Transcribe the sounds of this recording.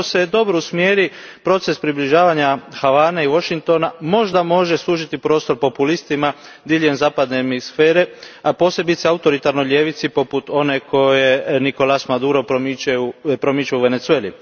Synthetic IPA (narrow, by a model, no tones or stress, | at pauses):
osed̪o̞bɾousmjeːɾi | pɾo̞t̪se̞spɾibliʒaːʋaɲaxaʋaːneiʋo̞ʃiŋk̚t̪o̞namo̞ʒd̪amo̞ʒe̞slˠuːʒit̪ipɾo̞ːst̪o̞ɾpo̞pulist̪ima | d̪iːʎʲemzaːpad̪nemisfe̞ːɾe̞apo̞ːse̞bit̪seaut̪o̞ɾit̪aɾnojlʲeːʋit̪sipo̞put̪o̞ne̞kʰo̞je̞niko̞lasmad̪uːɾopɾomit͡ʃaupɾomit͡ʃauʋe̞ne̞t̪sue̞ːlḭ